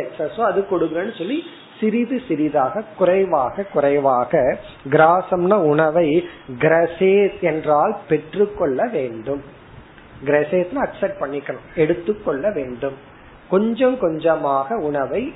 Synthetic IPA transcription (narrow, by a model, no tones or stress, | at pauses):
ɛksɐsoːɐðɯkɔɽɯɣɾɐnːɯsɔlːi | sɪɾɪðɯsɪɾɪðaːɣɐkʊrɐɪʋaːɣɐkʊɾɐɪʋaːɣɐ | ɡɪɾaːsɐmnɐʊɳɐʋɐɪɡɪɾɐseːt̪ɛndraːlpɛʈrɯkːɔɭːɐʋeːɳɖɯm | ɡɪɾɐseːt̪nãːɐksɛpʈ̚pɐɳːɪkːɐɳʊ̃ɛɽɯt̪ːɯkːɔɭːɐʋeːɳɖɯm | kɔɲd͡ʒɐ̃mkɔɲd͡ʒɐmaːɣɐʊɳɐʋɐɪ